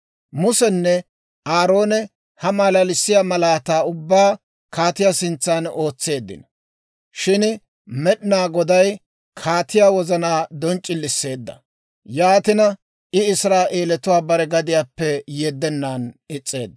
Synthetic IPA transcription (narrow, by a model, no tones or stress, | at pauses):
mʊsɛnːɛ | ʔaːɾo̞ːnɛ | hɐmaːlɐlɪsːɪjamɐlaːt̪aːʊbːaː | kʰaːt̪ɪjaːsɪnt͡sːaːno̞ːt͡sːe̞ːd̪ːɪ̰n | ʃɪn | mɛɗɪnaːɡɔd̪ɐj | kʰaːt̪ɪjaːwɔzɐnaːd̪ɔnt͡ʃʼːɪlːɪsːe̞ːd̪ːɐ̰ | jaːt̪ɪnɐ | ʔɪɪsɾaːʔe̞ːlɛt̪ʊwaːbɐɾɛɡɐd̪ɪjaːpːɛjɛd̪ːɛnːaːnɪt͡sʼːe̞ːd̪ː